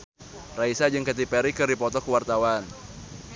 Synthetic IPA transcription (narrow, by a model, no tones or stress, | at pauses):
raisad͡ʒɨŋkat̪̬ipɛɾikɨrdipɔt̪ɔkəwart̪awan